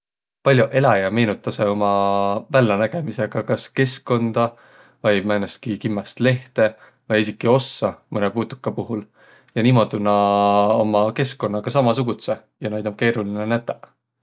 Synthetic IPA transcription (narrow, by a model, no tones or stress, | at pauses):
pɑlʲjuʔe̞lɑjɑme̞ːnut̪ːˑɑse̞o̞mɑvælːɑnæɡ̥e̞mise̞ɡ̥ɑkɑske̞skːo̞nd̪̥ɑ | vɑjmæjnest̪̚kikimːɑst̪le̞ht̪e̞ | vɑjesikːˑio̞sːɑmɤnepuːt̪ːu̥kːˑɑpuɦul | jɑniːmo̞d̪unːɑo̞mɑke̞skːo̞nːɑɡ̥ɑsɑmɑsuɡ̥ut̪se̞ | jɑnɑjd̪ɑmke̞ːɾulinenæt̪ːɑ